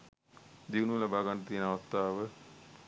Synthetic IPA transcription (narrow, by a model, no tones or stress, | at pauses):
d̪iʋunulabaːɡanɖət̪iːnaʋast̪ːaːʋə